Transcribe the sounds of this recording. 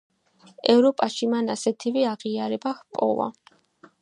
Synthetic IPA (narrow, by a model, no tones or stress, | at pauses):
ɛvɾɔpʼaʃimanasɛt̪ʰivɛaʁiaɾɛbahpʼɔ̰va̰